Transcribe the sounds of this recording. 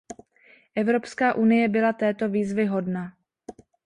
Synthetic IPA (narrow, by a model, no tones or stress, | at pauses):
ʔɛvɾo̞pskaːʔunɪjɛbɪlat̪ɛːt̪o̞viːzvɪɦo̞dna